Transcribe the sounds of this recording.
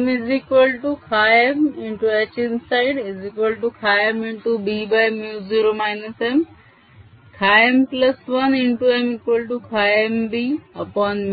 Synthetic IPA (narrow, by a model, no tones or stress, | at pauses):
mɪzikʋəlʈukʰaːjemɪɳʈuet͡ʃɪnsaɪɖizikʋəlʈukʰaːjəmɪ̃ɳʈubiːbajmjuːzuɾomaɪnɐsem | kʰaːjemplɐsʋɐnɪ̃ɳʈuemikwəlʈukʰaːjembiɐpɔːnm